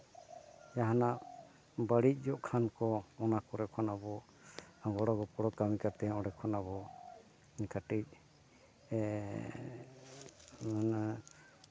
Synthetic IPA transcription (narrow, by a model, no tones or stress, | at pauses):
jaɦanaʔ | baɽic̚ˀd͡ʒɔʔkʰankɔɔnakɔɾɛkʰɔnabɔ | aɡɔɽɔɡɔpɔɽɔkamikat̪ɛɔɽɛkʰɔnaβɔ | kaʈic̚